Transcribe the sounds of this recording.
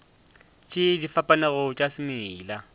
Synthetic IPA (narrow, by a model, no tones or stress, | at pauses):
t͡ʃʼɪdifapʼanɛɣʊt͡ʃʼasɪmɪːla